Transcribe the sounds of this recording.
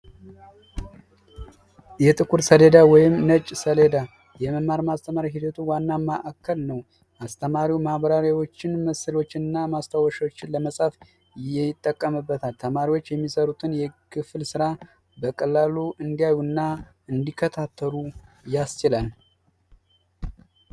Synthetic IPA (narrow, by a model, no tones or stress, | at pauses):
jɛt̪ʼɨkʰuɾsəle̞d̪awɔjɪmnət͡ʃʼːsəle̞d̪a | jɛməmːaɾmast̪ʰəmaɾjaɦid̪ət̪ʰuwanːamaʔakʰːəlnəw | ʔast̪ʰəmaɾiwmahβəɾaɾjawo̞t͡ʃːɪnməsəlo̞t͡ʃːɪnɨnːamast̪ʰawəʃwot͡ʃːɪnləməsʼaf | jɪt̪ʼːəkʼːəmɨbːət̪ʰalt̪ʰəmaɾiwot͡ʃːjɛmːisəɾut̪ʰɨnjɛkʰɨflsɨɾa | bəkʼəlːaluɨnd̪ijajunːa | ɨnd̪ikʰːət̪ʰat̪ʰːəɾujast͡ʃɪlal